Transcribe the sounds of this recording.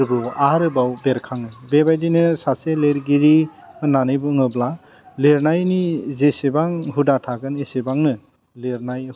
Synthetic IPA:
ɾbɯaɾɯbawbeɾkʰaŋɯbebajdinɯsaseleɾɡiɾiɯnanɯbɯɯŋɯbla | leɾnajnizesebaŋɦudatʰaɡɯnesebaŋnɯ | leɾnaj

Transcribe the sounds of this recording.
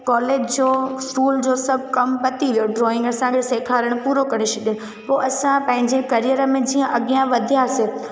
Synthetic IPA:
kɔːleːd͡ʑd͡ʑoːskuːld͡ʑoːsɐbʱkɐmbɐt̪iʋijoɖɾɔːɪ̃ŋɡəsãkʰɪseːkʰaːɾəɽ̃puːɾokɐɾeʃʰɐɗĩ | poːʔɐsãpɐ̃ɦɪ̃ɲd͡ʑekɐɾijəɾəmẽd͡ʑiːə̃ʔɐɠjãʋɐd̪ʱijase

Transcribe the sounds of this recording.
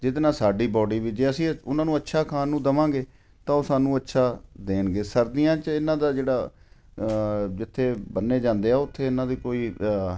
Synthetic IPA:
d͡ʒɪt̪nãːsaːɖiːbɔːɖiːʋiːd͡ʒeːəsĩːʊnãːnũːətːʃʰaːkʰaːnːũːd̪əmãːɡeː | t̪ãːoːsaːnũːətːʃʰaːd̪eːnɡeːsəɾd̪iːjãːt͡ʃəɪnːãːd̪aːd͡ʒeːɽaː | d͡ʒɪt̪ʰːeːbənːeːd͡ʒãːnd̪eːaːʊt̪ʰːeːɪnãːd̪iːkoːiː

